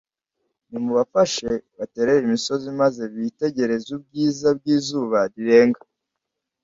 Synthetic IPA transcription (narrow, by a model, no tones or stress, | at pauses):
nimuβafaʃe̞βate̞ɾeβimiso̞zimaze̞βite̞ɟe̞ɾe̞zub̚ɟiːzab̚ɟiːzuːβaɾiɾe̞ːŋɡa